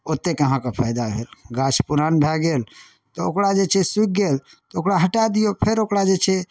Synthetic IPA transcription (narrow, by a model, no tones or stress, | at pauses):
ot̪ːekeəɦãkepʰajd̪abʱelɡat͡ʃʰpuɾanbʱɛɡel | t̪ɔokɽad͡ʒet͡ʃʰɛsik̚ɡel | ɔokɽaɦəʈad̪ijopʰeɾokɽad͡ʒet͡ʃʰɛ